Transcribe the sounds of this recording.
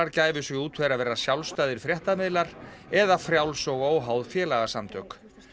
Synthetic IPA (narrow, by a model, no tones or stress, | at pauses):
aɾcaːjvʏsvɛuːt̪fɛjɾaðvɛːɾasjawlst̪aːjðɪɾ̥fɾjɛht̪amɪðlaɾ̥ɛðafɾjawlsɔɣoːwɦawðfjɛːlaɣasamt̪ʰœk